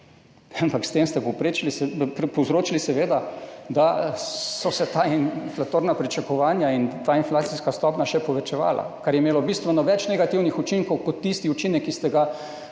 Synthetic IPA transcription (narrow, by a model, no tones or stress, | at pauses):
ampakst̪eːmst̪ɛpowpɾet͡ʃilisɛppɔwzɾoːt͡ʃilisɛʋeːd̪ad̪asɔsɛt̪aːinflat̪oːɾnapɾit͡ʃakɔʋaːnjaint̪aːinflaːt̪siskast̪ɔpnaʃɛpɔʋɛt͡ʃɛʋa̰ːlʔa̰kaɾjɛimeːlɔbist̪ʋɛnɔʋɛt͡ʃnɛɡat̪iwnixut͡ʃiŋkɔwkɔt̪ːist̪iut͡ʃinɛkːist̪ɛɡa